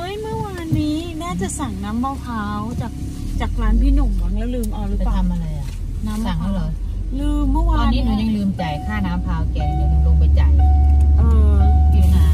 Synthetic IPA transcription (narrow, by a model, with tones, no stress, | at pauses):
ʔa˦˥jmɯ˥˩ɐwaː˧nːiː˦˥naː˥˩t͡ɕa˨˩sa˨˩ŋnaː˦˥mbaː˧wpʰaː˦˥wt͡ɕaː˨˩k̚ | t͡ɕaː˨˩k̚ɾaː˦˥npʰiː˥˩nu˨˩ŋa˨˩na˧˩lɯː˧mʔa˧wɾɯ˦˥˨paː˩t̪ʰa˧mʔa˧ɾa˧jʔa˨˩ʔ | naː˦˥ma˨˩ŋt̪ʰa˥˩laː˧˩jlɯː˧mːɯ˥˩˨waː˧aː˧niː˦˥nu˧˩ɲa˧ŋlɯː˧mt͡ɕa˨˩jkʰaː˥˩naː˦˥mpʰaː˦˥wkɛː˧˩m˧lɯ˧lo˧ŋpa˧jt͡ɕa˨˩jʔɤː˧ki˧˩˧na˧˩